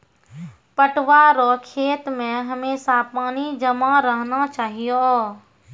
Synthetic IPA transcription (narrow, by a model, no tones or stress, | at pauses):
pəʈʋaɾoːkʰeːt̪mẽɦəmeːsapaːnid͡ʒəmaɾəɦnat͡ʃaːɦijo